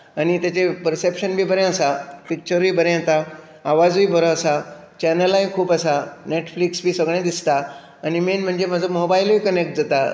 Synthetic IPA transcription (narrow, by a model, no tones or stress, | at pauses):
anit̪jat͡ɕepəɾsepʃənbʱiːbʱəɾjãəsapik̚t͡ɕəɾbʱiːbʱəɾẽt̪a | aʋad͡zbiːbʱəɾõəsa | t͡ɕɛnəlãɦĩkʰuːpəsaneʈfliksbʱiːsəɡɽ̃ẽd̪ist̪aː | nimenm̤əɳd͡zem̤ad͡zʱəmobailbiːkənek̚ʈ̚d͡zət̪a